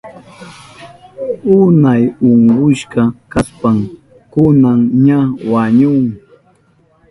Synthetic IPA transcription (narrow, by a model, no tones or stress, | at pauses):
ʊnajʊɴɢʊʃkɑkaspam | kʊnaŋɲawaɲʊŋ